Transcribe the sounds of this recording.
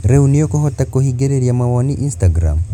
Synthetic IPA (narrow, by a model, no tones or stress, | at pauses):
ɾeunijokoɦotakohiɡeɾeɾjamawaniʔinstaɡɾa̰m